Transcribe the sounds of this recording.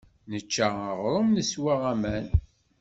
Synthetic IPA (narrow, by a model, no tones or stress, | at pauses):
nət͡ʃːaəʁɾˤəmnəswaʁæmæn